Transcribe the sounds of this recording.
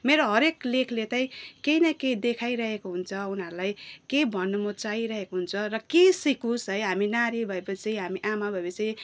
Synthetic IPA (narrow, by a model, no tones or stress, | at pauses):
meɾoɦʌɾeklekʰlet̪aĩkejnʌked̪ekʰajɾʌɦekoɦunt͡sʰʌunɦʌɾulajkebʱʌnːumʌt͡saiɾʌɦekoɦunt͡sʰʌrʌkesikũsɦʌjɦaminaɾibʱʌepʌt͡siĩɦamiʔamabʱʌepʌt͡siĩ